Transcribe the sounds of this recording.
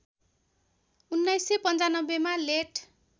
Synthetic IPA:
unːajsepʌnt͡sanʌbːemaleʈʰ

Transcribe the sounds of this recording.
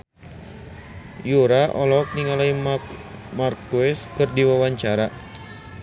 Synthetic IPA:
juɾaʔɔlɔk̚niŋalaimamarkuɛskɨrdiwawaɲt͡ʃaɾa

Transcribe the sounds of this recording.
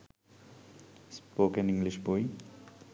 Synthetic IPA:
spoːkeniŋɡliʃboj

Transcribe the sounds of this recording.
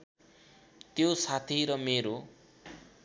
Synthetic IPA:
t̪josat̪ʰiɾʌmeɾo

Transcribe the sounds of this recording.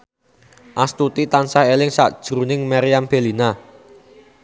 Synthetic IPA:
ʔast̪ut̪it̪ansahelɪŋsa̰ʔd̥ʒ̥ɾṳnɪŋmaɾijamb̥elina

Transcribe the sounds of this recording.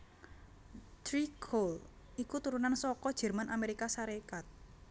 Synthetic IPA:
t̪ɾikʰol | ikut̪uɾunansɔkɔd̥ʒ̥ɛ̤rmanʔameɾikasaɾekat̪̚

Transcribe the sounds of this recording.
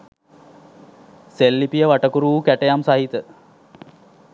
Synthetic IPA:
selːipijəʋaʈəkuɾuʋukæʈejamsaɦit̪ə

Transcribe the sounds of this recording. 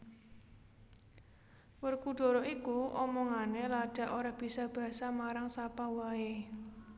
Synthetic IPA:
wərkuɖ̥o̤ɾɔikuʔɔmɔŋanelaɖ̥ä̤ʔoɾahb̥i̤sab̥a̤asamaɾaŋsapawae

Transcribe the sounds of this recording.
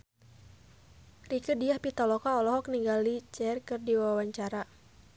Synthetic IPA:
rikədiahpit̪ɔlɔkaɔlɔɦɔk̚niŋɡalit͡ʃɛrkɨrdiwawaɲt͡ʃaɾa

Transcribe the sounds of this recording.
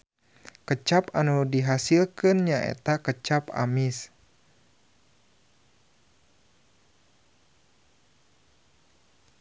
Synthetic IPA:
kət͡ʃapanudiɦasilkɨnɲaʔɛ̰t̪akət͡ʃapa̰mis

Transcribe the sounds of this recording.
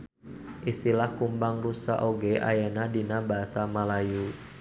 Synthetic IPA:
ʔist̪ilahkumbaŋrusa̰ʔoɡeʔa̰janadinabaɦasamalaju

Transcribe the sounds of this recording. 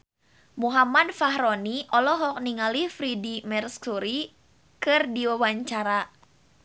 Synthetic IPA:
muɦamadfaɦɾɔniʔɔlɔɦɔk̚niŋalifɾidimɛrskuɾi | kɨrdiwawaɲt͡ʃaɾa

